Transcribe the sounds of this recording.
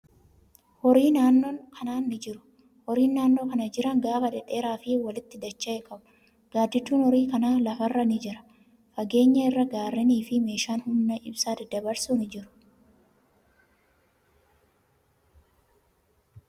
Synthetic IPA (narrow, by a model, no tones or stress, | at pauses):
hɔɾiːnaːnːoːŋkʰɐnaːnːɪd͡ʒɪɾʊ̥ | hɔɾiːnːaːnːoːkɐnɐd͡ʒɪɾɐŋɡaːfɐᶑɛᶑʼe̞ːɾaːfɪwɐlɪt̪ːɪd̪ɐt͡ʃːɐʔekʰɐbʊ̥ | ɡ̥aːd̪ɪt̪ːuːnhɔɾiːkɐnaːlɐfɐrːɐnɪd͡ʒɪɾɐ̥ | fɐɡe̞ːɲːɐɪrːɐɡaːɾːɪniːfɪme̞ːʃaːnhʊmːɐʔɪbsaːd̪ɪd̪ɐbɐɾsuːnɪd͡ʒɪɾʊ̥